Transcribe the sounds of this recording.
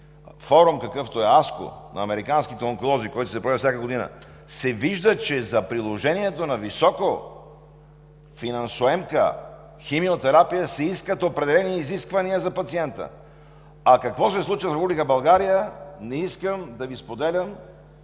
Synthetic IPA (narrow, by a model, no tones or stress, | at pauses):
fɔɾumkɐkɤft̪oɛasko̰nɐ̰ːmɛɾikanskit̪ɛoŋkolˠɔzikɔjt̪o̥sɛpɾɛfsʲakəɡod̪inə̰ | sɛviʒd̪ət͡ʃɛzɐpɾilˠoʒɛniɛt̪onɐvisɔko | finɐnsʊɛmkə̰ | ximiot̪ɛɾapijəsɛiskət̪opɾɛd̪ɛlɛniːziskvɐniəzɐpɐt̪siɛnt̪ə̰ | ɐkɐkvɔsɛslˠut͡ʃivəfɾɛpublikəbɐlˠɡaɾijənɛiskəmd̪ɐvispod̪ɛlʲəm